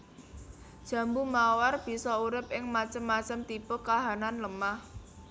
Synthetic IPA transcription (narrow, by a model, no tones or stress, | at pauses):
d̥ʒ̥ä̤mbumawarb̥i̤sɔuɾɪp̚ʔɪŋmat͡ʃəmːat͡ʃəmt̪ipʊkaɦananləmah